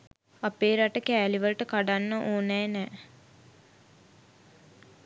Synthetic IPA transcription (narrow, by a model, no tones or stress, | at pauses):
apeːɾaʈəkæːliʋəlʈəkaɖanːəʔoːnɛːnɛː